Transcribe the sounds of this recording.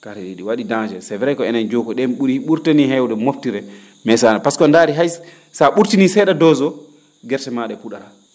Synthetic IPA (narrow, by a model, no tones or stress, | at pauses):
kaɾɛliɗiwaɗidãŋd͡ʒɛsɛvɛɾɛjkɔɛnand͡ʒokɔɗɛmɓuɾiɓuɾtaniɦɛwdɛmoftiɾɛ | mɛsanapaskɔndaɾiɦaj | saɓuɾtinisɛɗadɔzɔ | ɡɛɾtɛmaɗɛpuɗaɾa